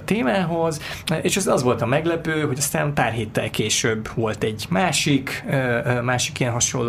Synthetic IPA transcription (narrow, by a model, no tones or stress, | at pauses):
t̪eːmaːɦo̞zʔeːʃɛzɒzʋo̞lt̪ɒmɛɡlɛpøːɦo̞ɟɒst̪aːnpaːrɦeːt̪ːɛ̰lkeːʃøbːʋo̞lt̪ɛɟmaːʃikː | maːʃi̥kijɛnɦɒʃo̰l